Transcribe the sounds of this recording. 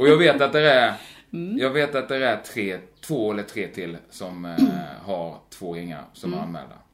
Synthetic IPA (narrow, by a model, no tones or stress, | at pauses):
ɔjɑːɡveːt̪at̪̚d̪ɛɾæ | jɑːɡveːt̪at̪̚d̪ɛɾæʈ̪ʰɾeːt̪ʰv̥oːɛlːəʈ̪ʰɾeːt̪ʰɪlːsɔmhaɾt̪ʰv̥oːɾɪŋːa̰ɾsɔmhaɾa̰nmɛ̰ːld̪a̰ɾ